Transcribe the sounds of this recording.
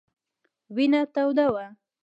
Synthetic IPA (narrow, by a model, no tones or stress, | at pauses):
wɪnat̪awd̪awa